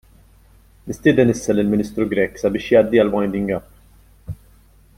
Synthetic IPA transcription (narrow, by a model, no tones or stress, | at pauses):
nɪst̪ɪːd̪ɛnɪsːɐlɪlmɪniːst̪ɾuɡɾɛkːsɐbɪːʃjɐːd̪ːiɐlwɐjnd̪ɪŋɡɐpː